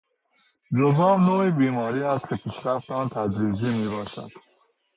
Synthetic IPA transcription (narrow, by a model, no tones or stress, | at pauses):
zoɦɑːbnoːibiːmɒːɾiːæst̪̚kʲʰepʰiːʃɾæft̪ɒːnt̪ʰæd̪ɾiːd͡ʒiːmiːbɒːʃæ̰d̪̥